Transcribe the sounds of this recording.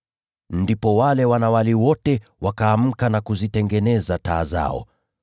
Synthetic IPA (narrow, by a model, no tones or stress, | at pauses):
ndipɔwalɛwanawaliwɔtɛwakaːm̩kanakuzitɛŋɡɛnɛzataːza̰ɔ̰